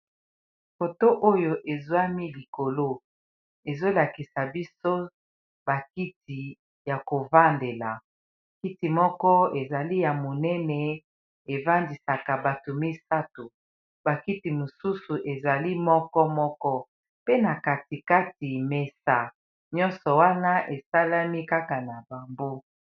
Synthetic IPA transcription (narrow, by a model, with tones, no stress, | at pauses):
fo˨to˦ʔo˦jo˦˨ʔe˨zwa˦mi˦li˨ko˨lo˦ | e˨zo˦la˨ki˨sa˨bi˦so˦ | ba˨ki˦ti˨ | ja˨ko˨va˦nde˨la˨ | ki˦ti˨mɔ˦kɔ˦e˨za˨li˦ja˨mo˨nɛ˦nɛ˨ | e˨va˦ndi˨sa˨ka˨ba˨to˨mi˦sa˦to˨ | ba˨ki˦ti˨mo˨su˦su˨ʔe˨za˨li˦mɔ˦kɔ˦mɔ˦kɔ˦ | pe˦na˨ka˨ti˨ka˦ti˨me˨sa˨ | ɲɔ̃˦nsɔ˨wa˦na˦ʔe˨sa˦la˦mi˦ka˦ka˨na˨ba˨mbo˦